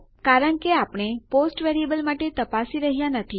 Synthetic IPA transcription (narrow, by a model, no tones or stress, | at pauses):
kaɾəɳkeapɳ̃eposʈʋeɾiebəlmaʈet̪əpasiɾəɦijãnət̪ʰi